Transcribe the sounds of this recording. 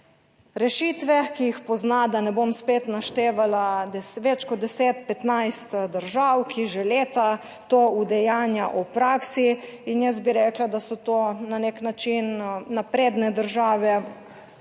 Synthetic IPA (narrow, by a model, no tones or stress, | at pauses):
ɾɛʃit̪ʋɛkijixpɔznad̪anɛbomspeːt̪naʃt̪eːʋalad̪ɛʋɛt͡ʃkɔd̪ːɛseːt̪̚pɛt̪najst̪d̪əɾʒawkʰiʒɛleːt̪a | t̪oːud̪ɛjaːnjaʔupɾaːksiinjɛs̬̚biɾɛːklad̪asɔt̪oːnaneknat͡ʃinːapɾeːd̪nɛd̪əɾʒaːʋɛ